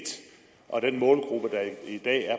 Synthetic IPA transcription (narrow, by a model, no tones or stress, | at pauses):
d̥ | ʔɒ̽d̥enmɔ̽ːlɡ̥ʁub̥əd̥ɑ̈id̥ɛ̰ːæɐ